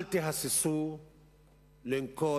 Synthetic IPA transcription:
ltiɦasisu | lɛŋkɔ

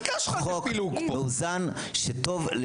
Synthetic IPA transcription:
oklukeuzan | ʃeto̞vle

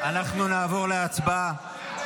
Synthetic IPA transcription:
anaχnunaːvo̞ʁleat͡sba

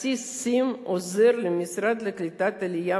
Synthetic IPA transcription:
isimɔzɛrlʲɛmʲisɾad̪lʲɐklʲɪt̪at̪ɛlʲija

